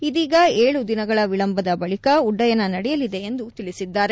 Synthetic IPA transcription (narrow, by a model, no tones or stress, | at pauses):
id̪iːɡɐe̞ːɭud̪inɐɡɐɭɐʋiɭɐmbʱɐd̪ɐbɐɭikɐuɖːɐjɐnːɐnɐɽɛjɐlid̪e̞end̪ut̪iɭisid̪ːaːɾe